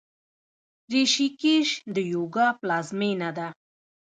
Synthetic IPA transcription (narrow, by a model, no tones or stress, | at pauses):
ɾiʃikeʃd̪əjoɡɑplazmenad̪a